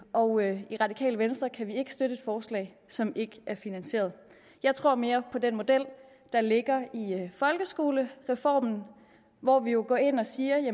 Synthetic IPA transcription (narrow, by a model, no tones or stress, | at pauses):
ɒ̽ʊiʁɑ̈d̥ikʰɛ̰ːləʋensd̥ʁɐkʰæʋie̝ɡ̥ə̥sd̥ødɾəed̥fɒːslɛ̰ɪ | sɒ̽me̝ɡ̥əʔæɐfinænse̝̰ːɐð̩ˠ | jɑ̈ɪt͡sʰʁo̝ɐ̰me̝ːɐpʰɒ̽d̥enmo̝d̥el̰ | d̥ɑ̈le̝ɡ̥ɐifɒ̽lɡ̥əsɡ̥o̝ːləʁɛfɒ̰ːmn̩ | ʋɒʋijo̝ɡ̥ɒ̰ːe̝n̰ɒ̽siːɐjæ